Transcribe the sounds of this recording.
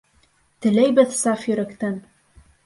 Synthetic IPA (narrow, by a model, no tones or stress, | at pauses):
t̪ɘ̆læjbɘðsɑfjɵ̆ɾæ̆kt̪æn